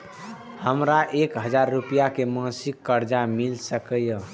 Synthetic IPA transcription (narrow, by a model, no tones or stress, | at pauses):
həmɾaʔekɦəd͡ʒaɾːupijakemãsikːəɾd͡ʒamilsəkəjə